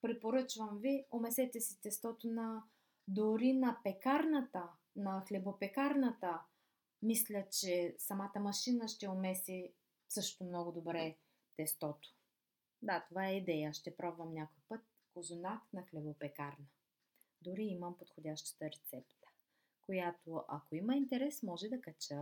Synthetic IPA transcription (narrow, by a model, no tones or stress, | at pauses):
pɾipoɾɤt͡ʃvəmviomɛsɛt̪ɛsi̥t̪ɛst̪ɔt̪onɐ | d̪ʊɾinɐpɛkaɾnət̪ə | nɐxlʲɛbopɛkaɾnət̪ə | mislʲət͡ʃɛsɐmat̪əmɐʃinəʃt̪ɛomɛsi | sɤʃt̪omnɔɡʊd̪obɾɛ | t̪ɛst̪ɔt̪o̥ | d̪at̪ovaɛid̪ɛjəaʃt̪ɛpɾɔbvəmnʲakojpɤt̪̚ | kozonat̪nɐxlʲɛbopɛkaɾnə | d̪ʊɾiiməmpot̪xodʲaʃt̪ə̥t̪əɾɛt̪sɛpt̪ə̥ | kojat̪oʔɐ̰koimɐint̪ɛɾɛsmɔʒɛd̪ɐkɐt͡ʃə